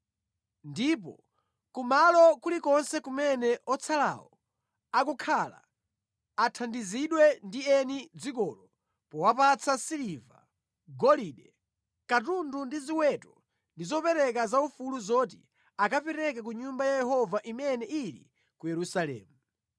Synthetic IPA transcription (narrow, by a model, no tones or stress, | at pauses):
ndip̬ɔ̰ | kumalɔkulikɔnsɛkumɛnɛʔɔt͡sʰala̰wɔ | akukʰala̰ | atʰandiziɗwɛndiɛnid͡zikɔlɔ | pɔwapat͡sʰasiliva̰ | ɡɔliɗɛ | katundundiziwɛtɔ | ndizɔpɛɾɛk̬azaufuluzɔt̬ḭ | akapɛɾɛkak̬uɲumbajajɛhɔvaʔimɛnɛilḭ | kujɛɾusalɛ̰ːmu